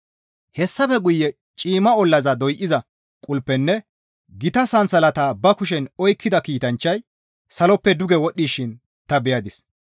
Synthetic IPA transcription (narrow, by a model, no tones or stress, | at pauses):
hɛsːɐfɛɡʊjːɛ | t͡ʃʼiːmɐɔlːɐzɐd̪ɔjʔɪzɐ | kʼʊlpːɛnːɛ | ɡɪt̪ɐsɐnsɐlɐt̪aːbɐkʊʃ̬ɛnɔjkʰːɪd̪ɐkiːt̪ɐnt͡ʃːɐj | sɐlɔpːɛd̪ʊɡɛwɔɗːiːʃɪn | t̪ɐbɛjɐd̪ɪs